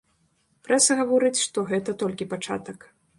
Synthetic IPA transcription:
pɾɛsɐɣavɔɾɨt͡sʲʂt̪ɔɣɛt̪ɐt̪ɔlʲkʲipat͡ʂa̰t̪ɐk

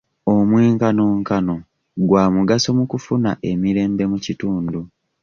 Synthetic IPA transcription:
o̞mweːŋkanoːŋkano̞ | ɡwaːmuɡaso̞mukufunaʔe̞miɾe̞ːmbe̞mucituːndu

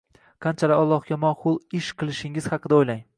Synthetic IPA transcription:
qʰɑnt͡ʃʰalɪɒlˠːɒhɡʲamɒnχʊlˠɪʃqʰɨlˠɪʃɪŋɪz̥hɑqʰɨd̪aojlaŋ

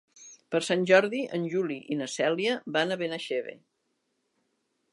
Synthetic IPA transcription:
pəɾsanʲʒɔɾðiʔənʲʒuliʔinəsɛlˠiəbanəβenəʃeβḛ

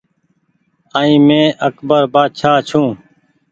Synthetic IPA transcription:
aːĩːmẽːʔəkʰbəɾbaːd̪ʃʰaːt͡ʃʰũː

